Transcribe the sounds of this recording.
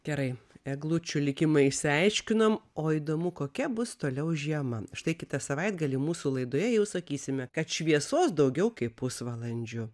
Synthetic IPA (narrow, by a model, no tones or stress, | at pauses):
ɡ̥ʲɛɾɐɪɛɡlˠut͡ʃʲʊlʲɪkʲɪmɐɪsʲɪɐɪʃʲkʲɪnomoːiːd̪oːmʊkoːkʲɛbʊst̪oːlʲɛʊʒʲiɛmɐʃt̪ɐɪkʲɪt̪ɐsɐʋɐɪd̪ɡɐlʲiːmuːsulˠɐɪd̪oːjɛjɛʊsɐkʲiːsʲɪmʲɛkɐt̪ʃʲʋʲiɛsoːsd̪ɐʊɡʲɛʊkɐɪpppʊsʋɐlˠɐnʲd͡ʒʲʊ